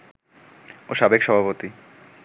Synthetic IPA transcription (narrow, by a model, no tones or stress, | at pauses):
oʃabekʃɔbʱapot̪i